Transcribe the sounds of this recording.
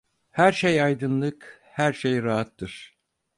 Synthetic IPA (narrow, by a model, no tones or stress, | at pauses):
hæɾʃejɑjd̪ɯnlˠɯk | hæɾʃejɾaɦat̪ːɯɾ̥